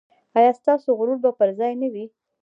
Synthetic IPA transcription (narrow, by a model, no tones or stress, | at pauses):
ɑjɑst̪ɑsoɣɾuɾbapəɾzɑjnawi